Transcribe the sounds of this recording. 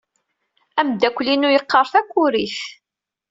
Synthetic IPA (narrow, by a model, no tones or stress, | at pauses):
æmd̪ækʷːlinujəqːɑɾˤθækʷːʊɾiθ